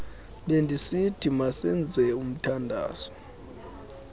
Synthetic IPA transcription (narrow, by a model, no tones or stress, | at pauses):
lendʱisid̥ʱimasɛnd͡zʱɛum̩tʰandʱa̰ːzɔ̥